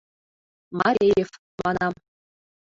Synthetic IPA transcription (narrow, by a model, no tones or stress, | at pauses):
mɑɾʲejef | mɑnɑ